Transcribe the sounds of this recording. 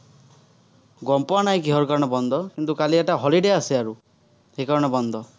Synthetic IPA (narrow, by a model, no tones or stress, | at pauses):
ɡɔmpɔnaĩkiɦɔɾukaɾɔɽ̃ɔbɔnd̪ʱɔkint̪ukalieʈaɦɔliɖeasiaɾu | hekaɾɔɽ̃ɔbɔnd̪ʱɔ